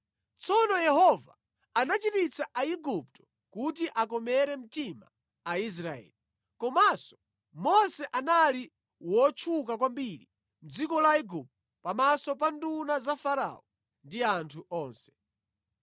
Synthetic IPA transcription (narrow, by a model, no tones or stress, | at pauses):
t͡sɔnɔjɛhɔva | anat͡ʃitit͡saʔaiɡup̚tɔ̥ | kut̬iʔakɔmɛɾɛm̩tima̰ | ais̬ɾaɛ̰ːli | kɔmasɔ̥ | mɔsɛʔanali | wɔt͡ʃʰukakwambiɾi | m̩d͡zikɔlaiɡup̚tɔpamasɔpandunazafaɾa̰ɔ | ndiantʰuʔɔːnsɛ̥